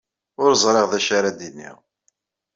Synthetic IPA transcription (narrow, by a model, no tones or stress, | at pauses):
ʊɾəzˤɾˤeʁðæʃaɾad̪inːḭʁ